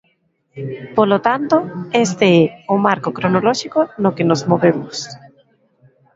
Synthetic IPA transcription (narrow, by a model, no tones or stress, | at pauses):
polot̪ant̪oest̪eɛʊmaɾkokɾonolɔʃikonokenozmoβemʊs